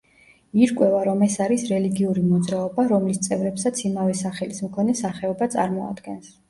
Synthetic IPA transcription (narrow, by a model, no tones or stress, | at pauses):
iɾkʼwɛvaɾɔmɛsaɾisɾɛliɡiuɾimɔd̪zɾaɔbaɾɔmlist̪sʼɛvɾɛpsat̪sʰimavɛsaχɛlismkʰɔnɛsaχɛɔbat̪sʼa̰ɾmɔa̰d̪ɡɛns